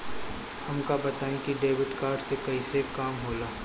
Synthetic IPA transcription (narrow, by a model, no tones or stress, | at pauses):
hɐmkabɐt̪aːẽkiɖeːʋɪʈkaːɾɖsekɐisekaːmɦoːlaː